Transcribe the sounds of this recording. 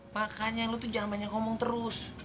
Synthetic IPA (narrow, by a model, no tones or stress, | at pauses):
makaɲalut̪ud͡ʒaŋanbaɲakɔmɔŋt̪əɾʊs